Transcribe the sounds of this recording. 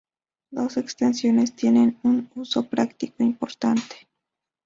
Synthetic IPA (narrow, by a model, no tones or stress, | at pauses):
d̪o̞sekst̪ensjo̞nest̪je̞nenunusopɾakt̪ikoimpoɾt̪ant̪e̥